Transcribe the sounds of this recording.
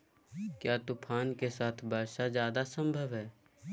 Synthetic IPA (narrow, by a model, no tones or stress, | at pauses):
kjaːt̪ʊpʰaːnkesaːt̪ʰbʱaːʃad͡ʒjaːd̪asə̃mbʱəʋɦɛː